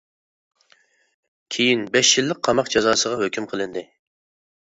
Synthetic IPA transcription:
kʲʰejinbɛʃjilːɪq̚qʰːɑmɑqd͡ʒɑzɑːsəʁɑhøkʲʰymqʰəlˠɨnd̪ɨ

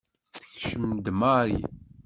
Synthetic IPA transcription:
θə̥çʃəmd̪maɾḭ

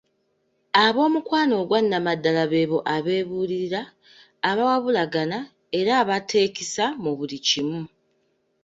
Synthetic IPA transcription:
aβo̞ːmukwaːno̞ːɡwanːamadːalaβe̞ːβo̞ʔaβe̞ːβuːliɾiɾaː | βawaβulaɡana | e̞ɾaːβatʰe̞ːcisamuβulicimu

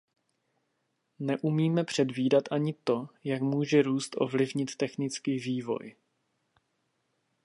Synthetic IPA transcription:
nɛʔumiːmɛpr̝̥ɛdviːdat̪ʔaɲɪt̪o̞jakmuːʒɛɾuːst̪ʔo̞̰vlɪvɲɪt̪ːɛxnɪt͡skiːviːvo̞̰j

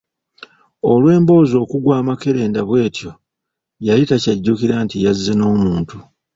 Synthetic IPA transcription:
o̞lwe̞ːmbo̞ːzo̞ːkuɡwaːmake̞ɾe̞ːndaβwe̞ːtjo̞ | jajitacaɟːukiɾantijazːeno̞ːmuːntu

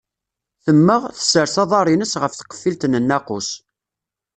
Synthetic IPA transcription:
θəmːəʁθə̥səɾsɑðˤɑɾˤinəsʁəfθqːə̥fːilt̪nənːæqʊ̰s

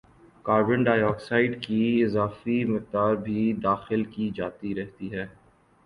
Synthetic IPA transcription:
kaːɾbə̃ɳɖaːjɔːksaːɪɖkiɪzaːfimɪq̚d̪aːɾbʱid̪aːxɪlkid͡ʒaːt̪iɾɛɦt̪iɦɛː

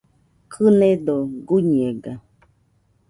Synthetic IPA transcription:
kʰɨnẽd̪oɡuɲeɡa

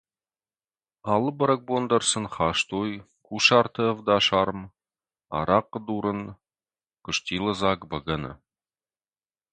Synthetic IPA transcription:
ɑlˠəbə̆ɾək̚bond̪ə̆rsə̆nχɑʃt̪oj | kuʃɑrt̪əvd̪ɑʃɑɾəm | ɑ̰ɾɑqːə̆d̪uɾɤn | kʊ̆ʃt̪ʲilˠəzɑkbəɡənə̰

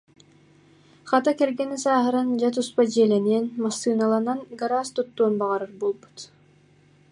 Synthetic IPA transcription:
χat̪akɛɾɡɛnisaːɦɯɾand͡ʑat̪̬uspad͡ʑiɛlɛniɛnmasːɯːnalˠananɡaɾaːst̪ut̪ːuːnbaʁaɾɯɾbuːlˠbu̥t̪

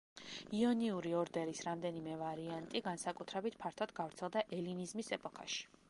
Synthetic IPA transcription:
iɔniuɾiɔɾd̪ɛɾisɾamd̪ɛnimɛvaɾiant̪ʼiɡansakʼut̪ʰɾɛbit̪ʰpʰaɾt̪ʰad̪ɡavɾt̪sʰɛlˠd̪aʔɛlinizmisɛpʼɔkʰa̰ʃi̥

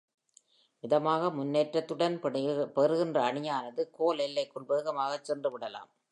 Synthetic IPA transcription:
ʋɪðɐmaːɣɐmʊnːeːʈrɐt̪ːɯɽɐnpɛɾɯɣɪndrɐːɳɪjaːnɐðɯkoːlɛlːɐɪkːʊɭbeːɣɐmaːɣɐt͡ʃːɛndrɯʋɪɽɐla̰ːm

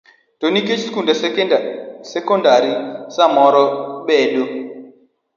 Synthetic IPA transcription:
toniket͡ʃskundasɛkedasɛkɔndaɾisamɔɾɔɓɛdo

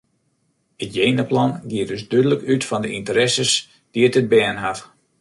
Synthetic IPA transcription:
ətjeːnəplɑnɡiətdøsdødələkytfɔndəʔintəɾɛsəs | d̥iətəd̚bɛːnɦat

